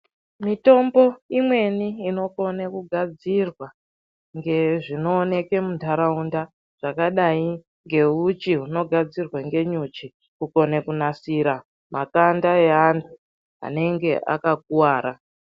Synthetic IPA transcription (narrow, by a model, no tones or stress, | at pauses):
mito̞mbo̞imwe̞niːno̞ko̞nekuɡʱad͡zirwa | ŋɡe̞ʐino̞ːne̞ke̞muntaɾaunda | ʐ̥akaɗai | ŋɡe̞ut͡ʃiɦuno̞ɡʱad͡zirwaŋɡe̞ɲut͡ʃi | kuko̞nekunasiɾa | makandaeantʰu | a̰ne̞ŋɡe̞ʔa̰kak̚uwaːɾa